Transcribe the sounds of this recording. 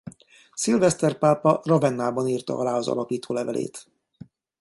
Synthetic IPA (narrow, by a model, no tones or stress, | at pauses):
silvɛst̪ɛrpaːpɒrɒbɛnːaːbɒniːrt̪ɒ̰ɒlaːɒzɒ̰lɒpiːt̪ʰoːlɛvɛlḛːt̪